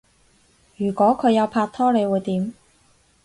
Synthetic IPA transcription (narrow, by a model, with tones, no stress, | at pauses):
jyː˨˩kʷɔː˨˥kʰɵ˨˧jɐ˨˧wpʰaː˧t̚t̪ʰɔː˥le˨˧jwuː˨˧jt̪iː˨˥m